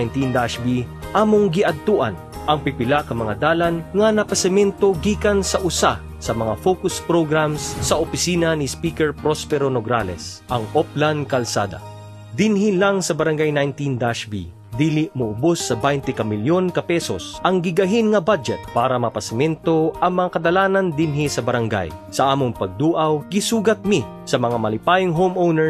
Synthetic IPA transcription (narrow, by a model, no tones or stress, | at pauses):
jnt̪ind̪aʃbiʔaːmoŋɡɪʔɐd̪̚t̪uʔɐ̰n | ʔɐŋpɪpɪlakɐmɐŋad̪aːlanŋɐnɐpɐsɛmɛnt̪o̞ɡiːkɐnsɐʔʊsa | sɐmɐŋafokʊspɾoɡɾamsːɐʔopɪsiːnɐnispiːkɛɹpɾospɛɾonoɡɾa̰lɛ̰s | ʔɐŋʔoplankɐlsa̰ːd̪ɐ̰ | d̪ɪnhilaŋsɐbɐɾɐŋɡajnajnt̪ind̪aʃbḭ | d̪iːlɪʔmʊʔʊbosːɐbajnt̪ɛkɐmɪljonkɐpɛso̰sʔɐŋɡɪɡɐɦinŋɐbad͡ʒɛt̪̚paːɾɐmɐpɐsɪmɛnt̪o̞ʔɐŋmɐŋakɐd̪ɐlaːnɐnd̪ɪnɦisɐbɐɾɐŋɡa̰j | sɐʔaːmoŋpɐɡ̚d̪uːʔɐwɡɪsuːɡɐt̪̚mɪ | sɐmɐŋamɐlɪpaːjʊŋɦomʔownɛ